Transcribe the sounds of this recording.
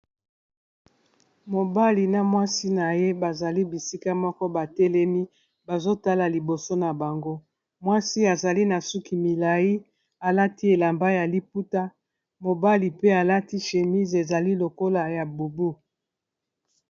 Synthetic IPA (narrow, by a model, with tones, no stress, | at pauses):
mo˨ba˦li˨na˨mwa˦si˦na˨je˦ba˨za˨li˦bi˨si˦ka˦mɔ˦kɔ˦ba˨tɛ˦lɛ˦mi˦ | ba˨zo˦ta˦la˨li˨bo˨so˦na˨ba˨ŋɡo˦ | mwa˦si˦a˨za˨li˦na˨su˦ki˨mi˨la˨ji˦ | a˨la˦ti˦e˨la˨mba˦ja˨li˦p̚u˦ta˦ | mo˨ba˦li˨pe˦a˨la˦ti˦ʃe˨mi˦ze˨za˨li˦lo˨ko˦la˨ja˨bu˨bu˦